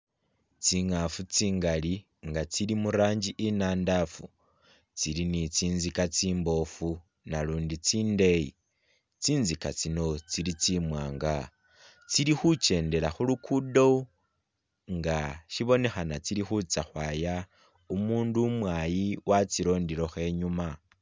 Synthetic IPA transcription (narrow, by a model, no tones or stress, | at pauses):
t͡siŋafut͡siːŋɡali | ŋɡat͡silimuɾaːɲd͡ʒiʔinaːndafu | t͡silinit͡siːnzikat͡siːmbo̞fu | naluːndit͡siːnde̞jḭ | t͡siːnzikat͡sino̞t͡silit͡simwaːŋɡa | t͡silixut͡ʃe̞ːnde̞laxulukʰudo | ŋɡaʃiβo̞ne̞xanat͡silixut͡saxwaːja | umuːndumwajiwʔat͡siɾo̞ːndiɾo̞xe̞ɲuma